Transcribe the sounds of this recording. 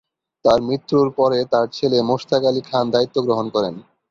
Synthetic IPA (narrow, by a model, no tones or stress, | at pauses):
t̪aɾmɾit̪ːɾuɾpɔɾet̪aɾt͡ɕʰelemoʃt̪ʰakalikʰand̪ait̪ːoɡɾoɦonkɔɾen